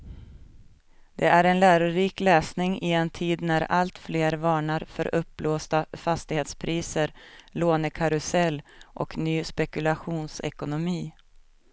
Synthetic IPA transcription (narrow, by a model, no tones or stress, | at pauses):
d̪ɛʔæɾɛnlæːɾʊɾiːklɛːsnɪŋɪɛnt̪ʰiːd̪næɾalt̪fleːɾvɑːɳaɾfœ̰ɾʔɵpːloːst̪afast̪ɪɡheːt̪spʰɾiːsəɾloːnəkʰaɾɵsɛlːʔɔknyːspɛkɵlaɧuːnsɛ̰kʊnʊmiː